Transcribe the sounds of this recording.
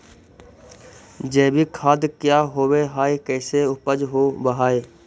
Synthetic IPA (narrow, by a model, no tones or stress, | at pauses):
d͡ʒɛːbʱikʰaːd̪kjaːɦoːweɦaːekɛːseʊpəd͡ʒɦoːbəɦaːeː